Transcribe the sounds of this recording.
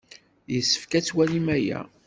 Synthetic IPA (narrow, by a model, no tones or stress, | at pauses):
jəsːə̥fkæt͡sːwælimæjæ̰